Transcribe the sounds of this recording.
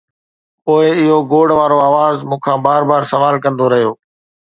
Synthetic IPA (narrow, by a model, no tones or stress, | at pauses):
poːɪɪɦoɡoːɽʋaːɾoaːʋaːzmũːkʰãːbaːɾbaːɾsɐʋaːlkɐ̃nd̪oɾɐɦijoː